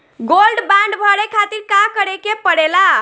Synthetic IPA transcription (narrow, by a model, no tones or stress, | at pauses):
ɡolɖbãɳɖbʱəɽekʰat̪iɾkakəɾekepəɽela